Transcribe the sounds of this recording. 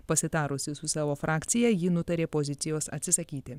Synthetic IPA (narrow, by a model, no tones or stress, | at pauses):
pɐsʲɪt̪ɑːɾʊsʲɪsʊsɑːʋoːfɾʔɑːkʲt̪sʲɪjɛjinʊt̪ɐɾʲeːpoːzʲɪt̪ʲɪjoːsɐ̰t̪ʲsʲɪsɐkʲiːt̪ʲɪ